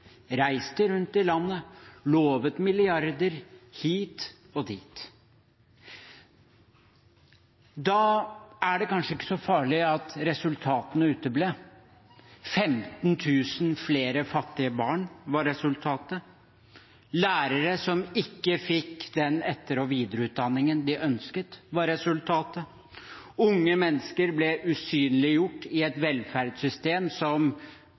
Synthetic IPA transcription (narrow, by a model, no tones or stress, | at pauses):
ɾæɪst̪əɾʉnt̪ɪlɑnːəloːʋət̪mɪlɪɑɾd̪əɾhiːt̪ | ɔd̪iːt̪ | d̪ɑæɖɛkɑnʂəɪkːə̥sɔfɑːɭɪɑt̪ɾɛsʉlt̪ʰɑːt̪ənəʉːt̪əbleː | fɛmt̪nt̪ʰʉːsnfleːɾəfɑt̪ːɪəbɑːɳʋɑɾːɛsʉlt̪ʰɑːt̪ə | læːɾəɾəsɔmɪkːəfɪkːd̪ɛnɛt̪ːəɾɔʋiːd̪əɾəʉːt̪̚d̪ɑnːɪŋənd̪ɪʔœnskət̪ʋɑɾɛsʉlt̪ʰɑːt̪ə | ʊŋːəmɛnːəskəɾblɛʔʉsyːnlɪjʊʈːɪɛt̪ʋɛlfæɾɖsʏst̪eːmsɔm